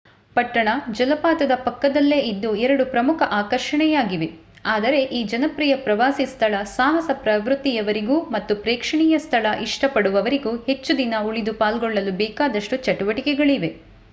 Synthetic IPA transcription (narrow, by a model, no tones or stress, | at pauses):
pɐʈːɐɳɐd͡ʒɐlɐpaːt̪ɐd̪ɐpɐkːɐd̪ɐlːe̞ːid̪ːuɛɾɐɽupɾɐmukʰɐʔaːkɐɾʂɐɳɛjaːɡiʋe̞ | aːd̪ɐɾe̞ʔiːd͡ʒɐnɐpɾiːjɐpɾɐʋaːsist̪ʰɐlɐsaːɦɐsɐpɾɐʋɾut̪ːijɐʋɐɾiɡuːmɐt̪ːupɾɛːkʂɐɳiːjɐst̪ʰɐlɐʔiʂʈɐpɐɽuʋɐʋɐɾiɡuːhe̞t͡ʃːud̪inɐuɭid̪upaːlɡɔɭːɐlubɛːkaːd̪ɐʂʈut͡ʃɐʈuʋɐʈikɛɡɐɭiʋe̞